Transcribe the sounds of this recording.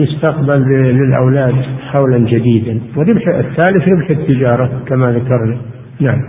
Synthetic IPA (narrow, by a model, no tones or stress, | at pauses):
mʊst̪aqbalːɪlʔa̰wlaːd̪ħawland͡ʒad̪iːd̪anwɪɾɪbħaɪθːaːlɪθɾɪbħɪt̪ːɪd͡ʒɑːɾˤɑkamaðakɑɾˤna | naʕam